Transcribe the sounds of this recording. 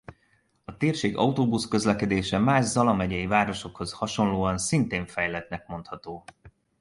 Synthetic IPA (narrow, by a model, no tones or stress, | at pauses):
ɒt̪eːrʃeːɡɒut̪oːbuskø̞zlɛkɛd̪eːʃɛmaːʒzɒlɒmɛɟɛjivaːɾo̞ʃo̞kho̞zhɒʃo̞nloːɒnsint̪eːɱfɛjlɛt̪nɛkmo̞nt̪hɒt̪oː